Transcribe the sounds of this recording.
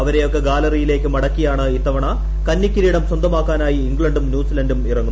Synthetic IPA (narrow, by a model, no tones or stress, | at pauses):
ɐʋɐɾe̞jo̞kːe̞ɡaːlɐrijile̞ːkːɨmɐɽɐkːijaːɳɨit̪ːɐʋɐɳɐ | kɐnːikʲːiɾiːɽɐmswɐnd̪ɐmaːkːaːnaːjiːŋɡɭɐɳɖumnjuːsilɐndumirɐŋːun